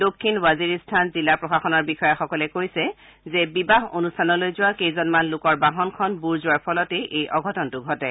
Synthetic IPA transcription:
dokʰːinwaziɹistʰanzilapɹɔxaxɔnɔɹbixɔjaxɔkɔlɛkojsɛ | zɛbibaɦonustʰanɔlojzʊwakejzɔnmanlʊkɔɹbaɦɔnkʰɔnbuɹzʊaɹpʰɔlɔteʔejʔɔɡʱɔtɔntʊɡʱɔtɛ

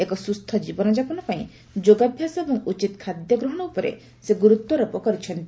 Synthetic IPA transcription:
ekɔsust̪ʰɔd͡ʒibɔnɔd͡ʒapɔnɔpaĩ | d͡ʒoɡabʱjasɔebɔŋut͡ʃit̪kʰad̪jɔɡɾɔɦɔɽ̃ɔupɔɾḛ | seɡuɾut̪wɔɾɔpɔkɔɾit͡ʃʰɔnt̪i

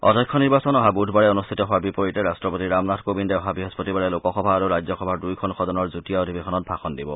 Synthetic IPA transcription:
ɔ̰dʱɔjkʰːɔniɹbasɔnɔɦabudʱbaɹɛɔnust̪ʰitɔɦʊaɹbipɔɹitɛɹastɹɔpotiɹamnatkobindɛɔɦabiɦɔspotibaɹɛlokɔxɔbʱaːɹuɹajzɔxɔbʱadujkʰɔnxʰɔdɔnɔɹzutiaodʱibikʰɔnɔt̚pʰaxɔndibɔ̰

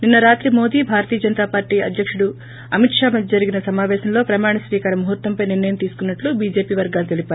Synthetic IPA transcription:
ninːɐɾaːt̪ɾimo̞ːd̪iːbʱaːɾɐt̪iːjɐd͡ʒɐnɐt̪aːpaːɾʈiːɐ̰d̪ʱjɐkʂuɽu | ɐmiʈʂaːmɐd̪ʱɐd͡ʒɐɾiɡinɐsɐmaːʋɛːʃɐmlo̞ːpɾɐmaːɳɐsʋiːkaːɾɐmːɐɦɐt̪ːʋɐmpɐjniɾnɐjɐmt̪iːsu̥kunːɐʈlubiːd͡ʒe̞ːpiːʋɐɾɡaːlut̪e̞lipaːɾ

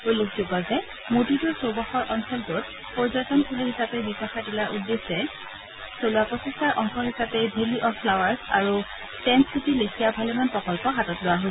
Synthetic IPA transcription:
ojlokzoɡɔzɛ | motituɹsobɔxɔɹʔɔnsɔltʊt | pɔɹzatɔntʰuliɦisapɛbisaxadilaʔudːesɛ | soluapɔsistaɹʔɔŋxʰɔɦisapɛbʱeliʔɔfʰlawaɹsa̰ɹu | tɛnsitilekʰijabʱalɛmanpɹɔkɔlpɔɦatɔtlʊwaɦojs

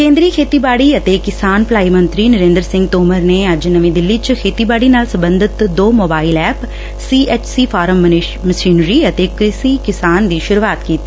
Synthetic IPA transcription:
kẽːnd̪ɾiːkʰeːt̪iːbaːɽiːət̪eːkɪsaːnplaːiːmə̃nt̪ɾiːnəɾẽːnd̪əɾsɪ̃ŋɡ̚t̪oːməɾneːəd͡ʒnəmĩːd̪ɪlːit͡ʃkʰeːt̪iːbaːɽiːnaːlsə̃mbə̃nd̪ʱɪt̪d̪oːmoːbaːɪlɛːp | siːʔeːt͡ʃsiːpʰaːɾəm | məsiːnɾiːət̪eːkɾɪsiːkɪsaːnd̪iːʃʊɾuaːt̪kiːt̪i̥ː

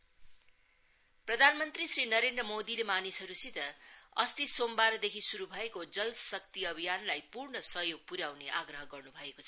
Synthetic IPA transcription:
prʌd̪ʱanmʌnt̪risrinʌɾend̪rʌmod̪ilemanisʌɾusit̪ʌʌst̪isombaɾʌd̪ekʰisuɾubʱʌekod͡zʌlsʌk̚t̪iʌbʱijanlajpurnʌsʌɦjoɡ̚puɾjawneʔaɡrʌɦʌɡʌrnubʱʌekot͡sʰʌ

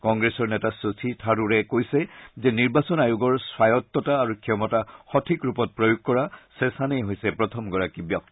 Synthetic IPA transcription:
kɔŋɡɹɛsɔɹnɛtasosʰitʰaɹuɹɛkojsɛzɛniɹbasɔnajuɡɔɹswajɔt̪ːɔtaːɹukʰiɔmɔtaxɔtʰikɹupɔt̚pɹojuɡ̚kɔɹasɛsanejɦojsɛpɹɔtʰɔmɡɔɹakibjɔk̚

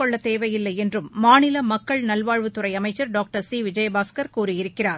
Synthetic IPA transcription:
kɔɭːɐt̪eːʋɐjɪlːɐɪɛndrɯmːaːnɪlɐmɐkːɐɭnɐlʋaːɻʋɯt̪ːɯrɐɪɐmɐɪt͡ʃːɐɾɖaːk̚ʈɐɾsiːʋɪd͡ʒɐjbaːskɐɾkuːrɪjɪɾɯkːɪraːɾ

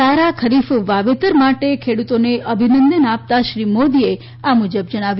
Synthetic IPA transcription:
aɾakʰəɾifʋaʋet̪əɾmaʈekʰeɽut̪oneʔəbʱinənd̪ənap̚t̪aʃɾimod̪ie | amud͡ʒəbd͡ʒəɽ̃aʋj

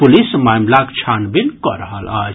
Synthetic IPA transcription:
pulismamlakt͡ʃʰanbinkɔ̰ɾəɦəla̰ːd͡ʒ

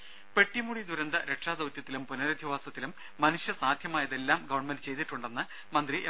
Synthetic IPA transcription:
pe̞ʈːimuɽid̪uɾɐnd̪ɐɾe̞ʈʂaːd̪ɐwt̪jɐt̪ːilumpunɐɾɐd̪ʱjiʋaːsɐt̪ːilumːɐnuʂjɐsaːd̪ʱjɐmaːjɐðe̞lːaːmɡɐʋɐɳmenɖɨt͡ɕe̞jt̪iʈːuɳɖe̞nːɨ | mɐnd̪riʔe

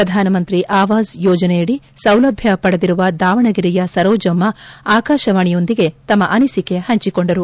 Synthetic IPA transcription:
ɾɐd̪ʱaːnɐmɐnt̪ɾiʔaːʋaːzjɔːd͡ʒɐnɛjɐɽi | sɐwlɐbʱjɐpɐɽɐd̪iɾuʋɐd̪aːʋɐɳɐɡiɾijɐsɐɾɔːd͡ʒɐmːɐaːkaːʃɐʋaːɳijo̞nd̪iɡe̞t̪ɐmːɐʔɐnisike̞hɐɲt͡ʃiko̞ɳɖɐɾu

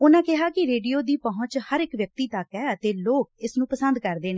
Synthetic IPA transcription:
ʊnãːkɪɦaːkɪɾeːɖijoːd̪iːpəɦʊ̃t͡ʃhəɾɪkʋjək̚t̪iːt̪əkɛːət̪eːloːk̚ɪsnũːpəsənd̪kəɾd̪eːneː

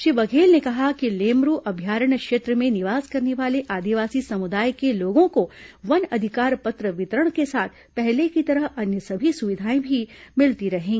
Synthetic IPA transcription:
ʃiʋɐkʰeːlnekɐɦakileːmɾuːʔɐbʱjaːɾəɳ̃kʃeːt̪ɾəmẽnɪʋaːzkɐɾneʋaːleʔaːd̪iʋaːsisɐmʊd̪aːjkeloːɡõkoʋɐnɐd̪ʱɪkaːɾpɐt̪ɾəʋɪt̪ɾəɽ̃kesaːt̪ʰ | pɛɦlekit̪ɐɾəɦɐnjəsɐbʱisʊʋɪd̪ʱaːẽbʱimɪlt̪iɾɐɦẽː

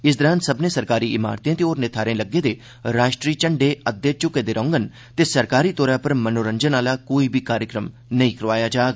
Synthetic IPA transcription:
ɪsd̪əɾãːnsəbnẽːsəɾkaːɾiːɪma̰ːɾt̪ẽt̪eoːɾnɪt̪ʰaːɾẽləɡːeːd̪eː | ɾaːʃʈɾiːt͡ʃəɳɖeːəd̪ːeːt͡ʃʊkeːd̪eːɾə̃ːŋɡən | t̪eːsəɾkaːɾiːt̪oːɾãːpəɾmənoːɾəɲd͡ʒənaːlaːkoːiːbʱiːkaːɾjəkɾəm | nəĩːkəɾʋaːjaːd͡ʒaːɡ

